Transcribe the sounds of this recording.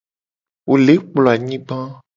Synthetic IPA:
wo˨le˨˦k͡plɔ˨a˨ɲĩ˦bã˦

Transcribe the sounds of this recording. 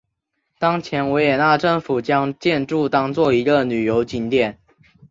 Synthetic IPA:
t̪ɑ˥ŋt͡ɕʰjɛ˧˥nwɛ˧˥ɪjɛ˨˩na˥˧ʈ͡ʂə˥˩ŋfu˨˩t͡ɕjɑ˥ŋt͡ɕjɛ˥˧nʈ͡ʂu˥˨t̪ɑ˥ŋt͡swɔ˥˩i˧˥ɡə˧˨ny˨˩jo˧˥ʊt͡ɕi˧˥nt̪jɛ˥˨˩n

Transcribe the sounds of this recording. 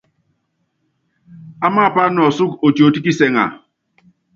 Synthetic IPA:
a˦maː˦˨pa˦n˦ɔ˨su˦ko˨t͡ʃo˨ti˦ki˦sɛ˨ŋa̰˨

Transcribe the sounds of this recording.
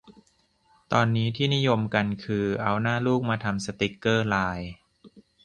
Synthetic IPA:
t̪ɔː˧nːiː˦˥t̪ʰiː˥˩ni˦˥jo˧mka˧nkʰɯː˧ʔa˧wnaː˥˩luː˥˩k̚maː˧t̪ʰa˧msa˧t̪i˦˩kːɤː˥˩laː˧j

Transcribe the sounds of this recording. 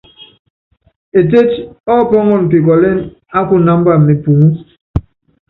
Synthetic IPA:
e˨t̬e˦t͡ʃɔ˦˨pɔ˦ŋɔ˦˨n˨pi˨k̬ɔ˨le˦n | a˦ku˦na˦mba˦˨mi˨pu˨ŋu˦

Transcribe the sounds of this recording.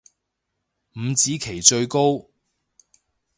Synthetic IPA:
m̩˨˧t͡siː˨˥kʰe˨˩jt͡ʃɵ˧ɥko˥w

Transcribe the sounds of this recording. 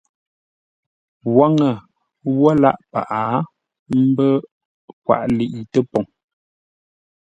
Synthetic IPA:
wa˦ŋə˨ | wɔ˦la̰˦ʔpa̰˨ʔa˨˦ | m̩˦bə˦ | kwa̰˦˨ʔli˨ʔi˨tə˦pɔ˨ŋ

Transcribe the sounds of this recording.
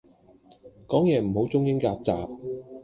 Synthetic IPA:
kɔː˨˥ŋjɛː˨˩m̩˨˩ho˨˥wt͡sʊ˥ŋjɪ˥ŋkaː˧p̚t͡saː˨p̚

